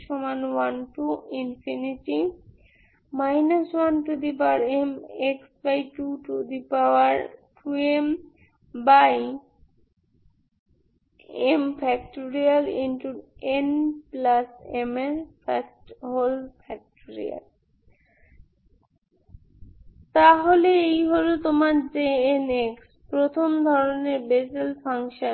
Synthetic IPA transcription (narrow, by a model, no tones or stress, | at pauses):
ʃɔmanwanʈuinfʰiniʈi | majnaswanʈud̪ip̬aɾemeksbajʈuʈud̪ipawaɾʈʰuem | baj | empʰɛkʈoɾialĩnʈuenplasemefasʈɦolfʰɛk̚ʈoɾḭa̰l | t̪aɦoleejɦoɾot̪omaɾd͡ʑeeneks | pɾot̪ʰomd̪ʱɔɾoneɾbed͡ʑelfʰaŋʃon